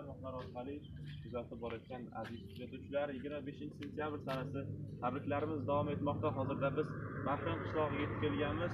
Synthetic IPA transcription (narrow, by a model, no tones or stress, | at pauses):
mɒhlaɾɒɾqʰɑlɪ | kʰʊzat̪ʰɪp̚bɒɾajɒt̪̚kʲana̰zɪzkʰʊzat̪ʰuwt͡ʃʰɪlaɾɪjɪɡʲɪɾmabe̞ʃɪnt͡ʃʰɪsent̪ʰijabɾsanasɪt̪ʰabɾɪkʲlaɾɪmɪzd̪avɒme̞t̪mɒqt̪aɦɒzɪɾd̪abɪzmaɾhɪmqʰɨ̥ʃlˠɒʁjʲet̪ɪ̥kʲelɡʲanmɪz